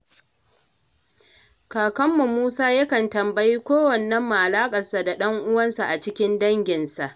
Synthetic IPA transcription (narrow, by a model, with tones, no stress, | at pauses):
kaː˨kɐ˦mːu˨muː˦saː˦jɐ˦kɐ˨ntɐ˨mbɐ˦jiː˦kʷoː˦wɐ˨nːɐ˦mːa˨ʔa˨laː˦kʼɐ˨rsa˨da˨ɗɐ˦ŋʔʊ˦wɐ˦nsa˨ʔa˨t͡ʃɪ˦kʲɪ˦ndɐ˦ŋɡʲɪ˨nsa˨ʔ